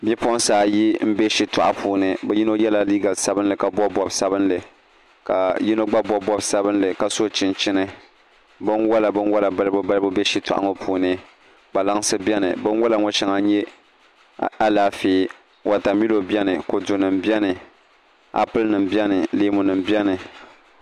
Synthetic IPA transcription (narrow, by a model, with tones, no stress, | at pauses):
bɛ˦pɔ˦saː˨ji˦m̩˦be˦ʃi˦tʊ˨ʔa̰˨pʰuː˨nɨ˨bɛ˦ji˦no˦jɛ˦la˦liː˦ɡa˨lsa˦bɨ˦nlɨ˨ka˨bɔ˦bɔ˦bsa˦bɨ˦nlɨ˨ | ka˨ji˦no˦ɡ͡ba˦bɔ˦bɔ˦bsa˦bɨ˦nlɨ˨ka˨so˦t͡ʃɪ˨nt͡ʃɪ˦nɨ˦ | bɨ˦nwɔ˦la˨bɨ˦nwɔ˦la˨ba˦lbʊ˦ba˦lbʊ˦be˦ʃi˦tʊ̰˨ʔa̰˦ŋo˦pʰuː˨nɨ˦ | ba˨la˦ŋ˦sɨ˦bɛ˦nɨ̰˨bɨ˦n˦wɔ˦la˨ŋo˦ʃa˨˦ŋa˨ɲɛ˦ | a˦laː˨fiː˨ | wa˨ta˨mi˦lo˨bɛ˦nɨ˨ko˨du˨nɨ˨mbjɛ˦nɨ˨ | a̰˨pɨ˦lnɨ˨mbɛ˦nɨ˨leː˦mʊ˨nɨ˨mbɛ˦nɨ˨